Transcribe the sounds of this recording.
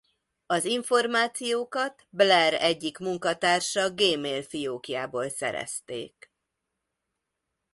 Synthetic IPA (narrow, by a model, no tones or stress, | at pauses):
ɒziɱfo̞rmaːt̪sijoːkɒt̪blɛɾɛɟːikmuŋkɒt̪aːrʃɒɡeːmeːlfioːkijaːboːlsɛ̰ɾɛ̰st̪ḛːk